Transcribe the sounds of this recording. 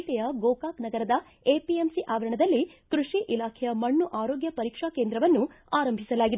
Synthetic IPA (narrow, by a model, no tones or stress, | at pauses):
ʈ̪ɛjɐɡoːkaːknɐɡɐɾɐd̪ɐ | eːpiemsiʔaːʋɐɾɐɳɐd̪ɐlːikɾuʂiʔilaːkʰɛjɐmɐɳːuʔaːɾoːɡjɐpɐɾiːkʂaːkeːnd̪ɾɐʋɐnːu | aːɾɐmbʱisɐlaːɡid̪e